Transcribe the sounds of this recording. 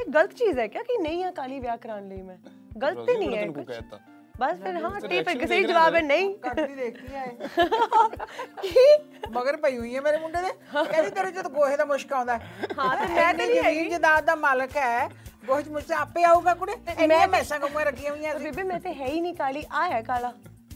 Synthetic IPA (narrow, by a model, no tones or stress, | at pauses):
eːɡələt̪t͡ʃiːzɛːkjaːkinəĩːãːkaːliːʋjaːkəɾaːnləiːmɛ̃ː | ɡələt̪ːeːnĩːaːkʊt͡ʃ | bəspʰɪɾɦãːʈːiːpʰɾkɪseːid͡ʒəʋaːbɛːnəĩːkɾiːd̪eːkʰd̪iːaːeː | ki | məɡəɾpəiːɦʊiːãːmeːɾeːmʊɳɖeːd̪eːɛ̃ːd͡ʒiːt̪eɾõːd͡ʒət̪ɡoːɦeːd̪aːmʊʃkãːnd̪aːɦɛːɦãt̪emɛ̃ːd̪iːd͡ʒəiːnd͡ʒəd̪aːd̪aːmaːləkɦɛːɡoːɦeːt͡ʃmʊʃt̪eaːpeːaːuːɡaːkʊɽeːnm̃ãːmɛ̃ːsãːkəmũːãːɾəɡʰijãːɦʊijãːieiːmɛ̃ːt̪eːɦɛːiːnĩːkaːliːʔaːɛːkaːlaː